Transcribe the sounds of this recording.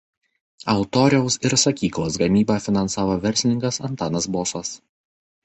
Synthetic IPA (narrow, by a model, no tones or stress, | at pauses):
ɐʊt̪ɔːɾʲɛʊsɪɾsɐkʲiːklˠoːs̬ɡɐmʲiːbɑːfʲɪnɐnsɑːʋoːʋʲɛɾʲsʲlʲɪnʲɪŋkɐsɐnt̪ɑːnɐsboːsɐs